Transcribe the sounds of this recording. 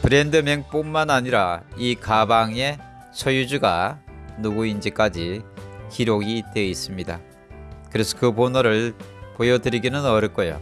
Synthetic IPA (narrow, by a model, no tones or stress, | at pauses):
pɯɾe̞ndɯmeŋp͈oŋmanaɲiɾaikabaŋe̞ | t͡ɕʰʌjud͡ʑuɡanuɡuind͡ʑik͈ad͡ʑiçiɾoɡit͈e̞is͈ɯmɲida | kɯɾe̞sʰʌ̥kɯponoɾɯɭpojʌdɯɾiɡinɯnʌɾʌɭk͈ʌjo̰